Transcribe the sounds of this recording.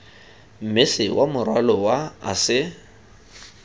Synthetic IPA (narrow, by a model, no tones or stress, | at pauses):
m̩mɪsɪwʔamʊrwalɔwaa̰sɪ